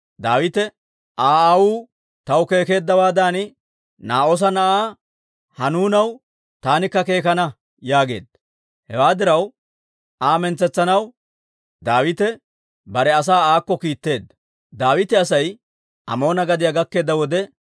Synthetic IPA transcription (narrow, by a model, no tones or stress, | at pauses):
d̪aːwɪt̪ɛ | ʔaːawuː | t̪ɐwke̞ːke̞ːd̪ːɐwaːd̪aːnɪ | naːoːs̬ɐnɐʔaː | hɐnuːnɐw | t̪aːnɪkːɐke̞ːkɐnɐ | jaːɡe̞̰ːd̪ɐ | hɛ̰waːd̪ɪɾɐw | ʔaːmɛnt͡sːɛt͡sːɐnɐw | d̪aːwɪt̪ɛ | bɐɾɛɐs̬aːaːkːɔkiːt̪ːe̞ːd̪ːɐ | d̪aːwɪt̪ɛɐsɐj | ʔɐ̰mo̞ːnɐɡɐd̪ɪjaɡɐkːe̞ːd̪ːɐwɔd̪ɛ